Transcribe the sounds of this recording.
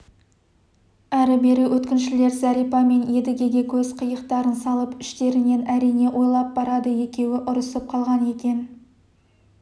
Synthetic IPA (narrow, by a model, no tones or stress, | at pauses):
æɾɪbe̞ɾɪwɵt̪kʲɪnʃɪle̞ɾzɑɾijpɑme̞nje̞d̪ɪɡʲe̞ɡʲe̞kʲʰɵzqʰəjəqt̪ɑɾənsɑlˠəpʏʃt̪e̞ɾɪne̞næɾijne̞ʔwʔo̞jlˠɑp̚bɑɾɑd̪əje̞kʲe̞wɪʔʊɾəsəp̚qʰɑlˠʁɑne̞kʲe̞n